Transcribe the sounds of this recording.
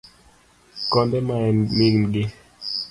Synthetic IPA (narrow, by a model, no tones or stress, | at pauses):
kɔndɛmaɛnmiŋnɡɪ